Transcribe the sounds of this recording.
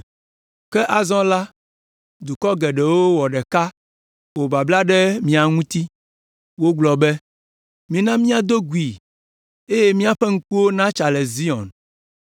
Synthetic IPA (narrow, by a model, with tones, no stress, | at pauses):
kɛ˦ʔa˨zɔ̃˦la˦ | d̪u˨kɔ˦ɡɛ˨ɖɛ˨wo˦wɔ˨ɖɛ˨ka˦ | wo˨ba˨bla˦ɖɛ˦mĩ˦a˨ŋũ˦t̪i˦ | wo˦ɡ͡blɔ˨bɛ˦ | mĩ˦nã˦mĩ˦ã˨d̪o˦ɡu˨i˨ | e˦je˦mĩ˦a˨ɸɛ˦ŋ̩˦k͡pu˦wo˦nã˦t͡ʃa˨lɛ˨zi˦ɔ̰̃˨n